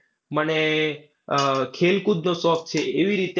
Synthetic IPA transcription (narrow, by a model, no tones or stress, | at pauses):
məne | kʰelkud̪nosɔk̚t͡ʃʰeːʋiɾit̪e